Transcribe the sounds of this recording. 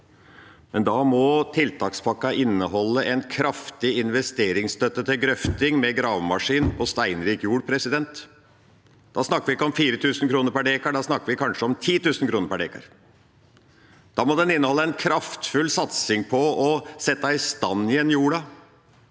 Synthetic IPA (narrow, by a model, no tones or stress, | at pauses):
mɛnd̪ɑmɔt̪ʰɪlt̪ʰɑːkspʰɑkːɑʔɪnːəhɔlːəʔɛnkʰɾɑft̪ɪɪnʋɛst̪eːɾɪŋst̪œt̪ːət̪ʰɪlɡɾœft̪ɪŋmɛɡɾɑːʋmɑʂiːnpɔst̪æɪnɾiːkjuːɽpʰɾɛsɪd̪ɛnt̪ | d̪̥ɑsnɑkːəʋɪɪkːəɔmfiːɾət̪ʰʉːsn̩kʰɾuːnəɾpæɖeːkɑɖɑsnɑkːəɾʋɪkʰɑnʂəɔmt̪ʰiːt̪ʉːsn̩kʰɾuːnəɾpæɖeːkɑ̰ɾ | d̪̥ɑːmɔd̪ɛnɪnːəhɔlːəɛnkʰɾɑft̪fʉlsɑt̪sɪŋpʰɔɔsɛt̪ːɑɪst̪ɑnːɪɛnjuːɽɑ